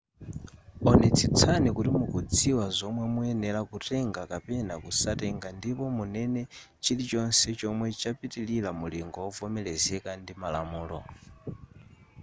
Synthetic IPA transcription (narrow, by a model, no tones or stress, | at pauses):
ɔnɛt͡sʰit͡sʰanikutimukud͡ziwazɔmwɛmuɛnɛlakutʰɛŋɡakapɛnakusatɛŋɡandipɔmunɛnɛ | t͡ʃilit͡ʃɔnsɛt͡ʃɔmwɛt͡ʃapitililamuliŋɡɔɔvɔmɛlɛzɛkandimalamuːlɔ